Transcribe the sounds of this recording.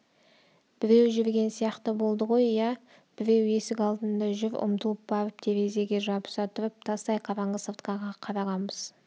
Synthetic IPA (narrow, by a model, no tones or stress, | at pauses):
b̥ɪɾe̞wʒʏɾɡʲe̞nsijɑqt̪əbo̞lˠd̪əʁo̞jjɑ | b̥ɪɾe̞we̞sɪkʲɑlˠd̪ənd̪ɑʒʏɾʊ̰mt̪əlˠəp̚bɑɾəp̚t̪ʰe̞ɾe̞ze̞ɡʲe̞ʒɑpə̥sɑt̪ʰʊɾəp̚t̪ʰɑst̪ɑjqʰɑɾɑɴʁəsəɾt̪qɑʁɑqʰɑɾɑʁɑnbəz̥